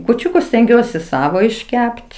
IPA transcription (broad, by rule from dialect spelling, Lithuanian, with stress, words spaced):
kuːˈt͡ʃʲʊkʊs sʲtʲɛŋʲˈɡʲuɔsʲɪ ˈsɑːʋoː ɪʃʲˈkʲɛpt